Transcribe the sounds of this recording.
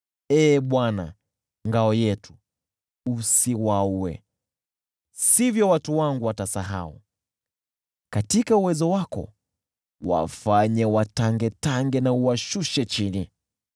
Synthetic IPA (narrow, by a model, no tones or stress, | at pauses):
ɛːɓwana̰ | ŋɡaɔjɛtu̥ | usiwauwɛ̰ | sivjɔwatuwaŋɡuwatasaɦa̰ṵ | katikauwɛzɔwakɔ̰ | wa̰faɲɛwataŋɡɛtaŋɡɛnauwaʃuʃɛt͡ʃini